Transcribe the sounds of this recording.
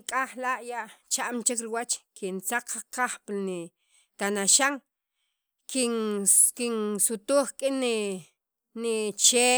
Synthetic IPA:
kʼaχlaʔjaʔt͡ʃaʔmt͡ʃikɾiwat͡ʃkʰint͡saq͡χqaχplni | t̪anaʃaŋ | kinkinsut̪uːχkʼini | nit͡ʃe

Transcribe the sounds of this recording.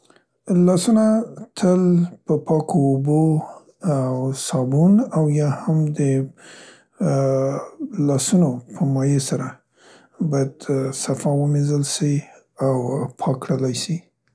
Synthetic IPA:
lɑsunat̪ʰəlpəpɑkʰoːbo | awsɑbunawjɑhamd̪ə | lɑsunopʰəmɑjesaɾa | bɑjad̪safɑwəmezəlsi | awpʰɑkːɽəlajsi

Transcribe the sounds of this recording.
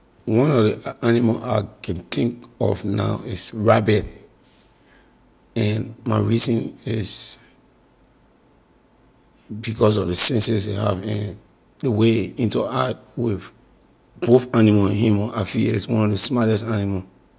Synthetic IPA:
wɔ̃nɔdianimalʔaɪkʰɛ̃ntĩŋkɔ̰vna̰ʊisɹabɛd̚ | ɛnmaɪɹizɔ̃niz | bikɔs̬ɔvðəsɛ̃nsɛs̬ahavɛ̃n | dəweĩntuat̚ | wið | b̥oθanimãnɦĩmafiiswɔ̃nɔvðəsmɔlɛstaniməl

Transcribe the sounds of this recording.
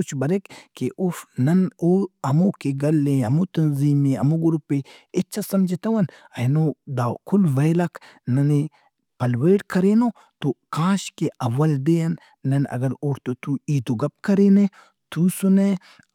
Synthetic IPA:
ʊt͡ʃʰbɐɾekkeʔʊfnɐnoɐmokeɡɐlːẽɦɐmut̪ɐnziːmẽɐ̰muɡʊɾupeɪt͡ʃʰasɐmd͡ʒit̪ɐwɐnɐnod̪aːkʰulʋɐjlɐkʰ | nɐne | pɐlweːʈkɐɾeːnoː | t̪okãːʃkeʔɐʋːɐld̪eɐnː | ɐnɐ̰ɡɐɾoːɾt̪ot̪uiːt̪uɡɐp̚kɐɾeːne | t̪usune

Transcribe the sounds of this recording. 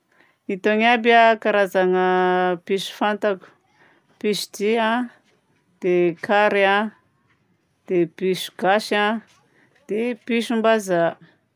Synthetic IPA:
it̪oŋabakaɾazaŋəpiʃu̥fant̪aku̥ | piʃd̪iã | d̪̥ekʰaɾea | d̪̥epiʃu̥ɡ̥aʃa | d̪̥epiʃumbaza

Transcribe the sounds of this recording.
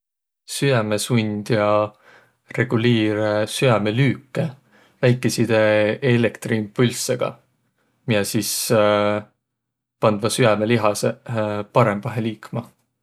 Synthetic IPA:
syæme̞sunʲd̪̥jɑ | re̞ɡ̥uliːɾesyɑmelyːkːe | væjkːˑesid̪̥eelekt̪riːmpulʲseɡ̥ɑ̰ | mijɑsis | pɑnd̪vɑsyɑme̞liɦɑsepɑɾe̞mːɑɦeliːkmɑ

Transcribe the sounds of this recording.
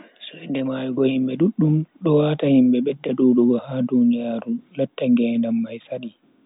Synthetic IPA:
sɔɛndɛmajɡɔhimɓɛɗuɗːumɗɔwaːtahimɓɛɓɛdːaɗuːɗɔɡɔhadunijaːɾulatːaŋɡɛndamːajsaɗi

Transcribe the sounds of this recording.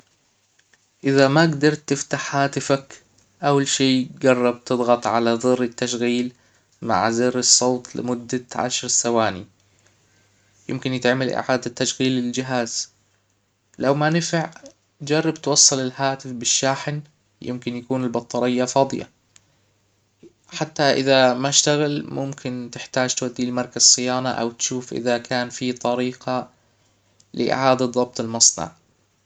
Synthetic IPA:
ʔɪðamaɡd̪ɑɾˤt̪ːɪft̪aħhaːt̪ɪfak | ʔawːalʃiːɡɑrˤːɑb̚t̪ɨðˤɣɑt̪ˤʕalaðˤɨrːɪt̪ːaʃɣiːl | ma̰ʕzɪrɑsˤːoːt̪ˤlɪ̰mʊd̪ːaʕa̰ʃɾsawaːnḭ | jɪmkɪnjɪt̪ʕamalʔɪ̰ʕaːd̪at̪ːaʃɣiːlːɪld͡ʒɪɦaːz̥ | lawmanɪfɪʕ | d͡ʒɑrˤːɑbt̪wɑsˤːɑlɪlhaːt̪ɪfbɪʃːaːħɪn | jɪ̰mkɪnjakuːnɪlbɑt̪ˤːɑɾɪjːafɑːd̪ˤɨ̰ja̰ | ħat̪ːaʔɪ̰ðamaʃt̪aɣalmʊmkʰɪnt̪ɪħt̪aːd͡ʒt̪wad̪ːilmɑɾˤkazsːˤɨjaːnaʔa̰wt̪ʃuːfʔɪ̰ðakʰaːnfit̪ˤɑɾiːqʰɑ | lɪ̰ʔɪ̰ʕaːd̪aðˤɑb̚t̪ˤɪlmɑsˤnɑ̰ʕ

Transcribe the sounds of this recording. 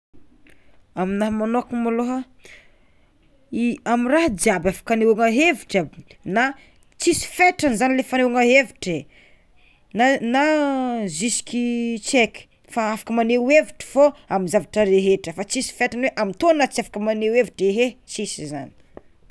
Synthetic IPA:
aminaɦmanokumaloɦa | iamiraɦd͡ʒiabafḁkanewaŋaɦeviʈ͡ʂəna | t͡sisi̥feʈ͡ʂanizanilefanewaŋaɦeviʈ͡ʂe | nanazisi̥kit͡ʃeki̥ | faafḁkəmaneweviʈ͡ʂə̥foamizavaʈ͡ʂəɾeɦeʈ͡ʂəfat͡sisi̥feʈ͡ʂanweʔamint̪onnat͡siafḁkəmaneweviʈ͡ʂeɦet͡sisiza̰ni̥

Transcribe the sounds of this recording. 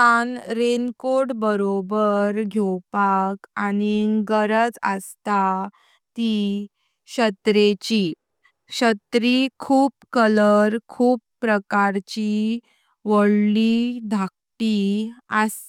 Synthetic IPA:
anɾenkoɽbəɾobəɾɡʱewpakaniɡəɾəd͡zə̰st̪a | t̪i | ɕət̪ɾet͡ɕi | ɕət̪ɾikʰuːp̚kələɾkʰuːpːɾəkaɾt͡ɕi | ʋəɭlid̪ʱak | ʈias

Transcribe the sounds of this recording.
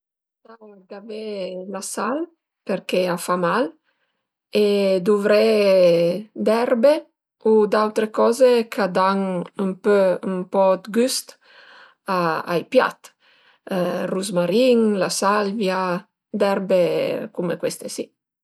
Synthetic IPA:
saɡavelasal | peɾkeafamal | ed̪uvɾɛ | d̪ɛrbe | ud̪awt̪ɾekɔːzekʰad̪aŋəmpømpɔd̪ɡyst̪ | aa̰jpja̰t̪ | ruzmaɾiŋlasalvja | d̪ɛɾbekumekwest̪esi

